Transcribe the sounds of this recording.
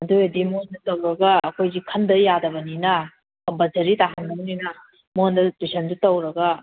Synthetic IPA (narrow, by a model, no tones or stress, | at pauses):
ɐduedimoɐndɐtɐwɾɐɡɐɐkʰojzikʰɐndɐjadɐbɐninɐ | kɐmpɐzɐɾitaɦandɐbɐninɐ | mohandɐtusʰɐndutɐwɾɐɡa